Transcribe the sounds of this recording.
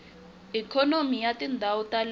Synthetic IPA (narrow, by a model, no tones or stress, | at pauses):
ikʰɔnomijatindʱawɔtal